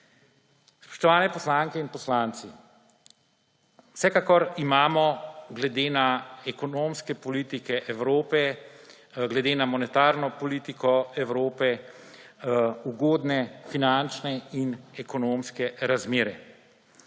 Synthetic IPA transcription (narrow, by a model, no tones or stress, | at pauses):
spɔ̥ʃt̪ɔʋaːnɛpɔslaːŋkɛinpɔslaːnt̪si | wsɛkakɔɾimaːmɔɡlɛd̪eːnaɛkɔnoːmskɛpɔliːt̪ikɛʔɛʋɾoːpɛ | ɡlɛd̪eːnamɔnɛt̪aːɾnɔpɔliːt̪ikɔɛwɾoːpɛ | uɡoːd̪nɛfinant͡ʃnɛinɛkɔnoːmskɛɾazmeːɾɛ